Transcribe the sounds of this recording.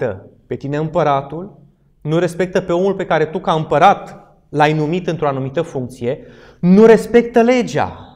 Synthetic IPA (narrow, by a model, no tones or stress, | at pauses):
t̪ə̰pe̞t̪ine̞ɨmpəɾat̪ul | nuɾe̞spe̞k̚t̪əpe̞o̞mulpe̞kaɾe̞t̪ukaɨmpəɾat̪ | lajnumit̪ɨnt̪ɾo̞anumit̪əfuŋk̚t̪sije̞ | nuɾe̞spe̞k̚t̪əle̞d͡ʒa̰